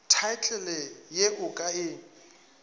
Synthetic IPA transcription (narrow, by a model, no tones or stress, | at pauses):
tʰaɪt͡ɬʰʼɛlɛjeʔʊkʼaɪːŋ̩